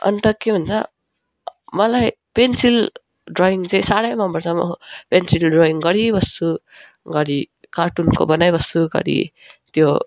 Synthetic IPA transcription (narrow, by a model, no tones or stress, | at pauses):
ʌ̰nt̪ʌkebʱʌnt͡sʰʌ | mʌlaj | pensil | ɖɾoiŋt͡saĩsaɽʌjmʌmbʌɾsʌmːʌ̰pensilɖroiŋɡʌɽibʌst̪u | ɡʌɾi | kaʈunko̰bʌnajbʌst̪uɡʌ̰ɾḭ | t̪jo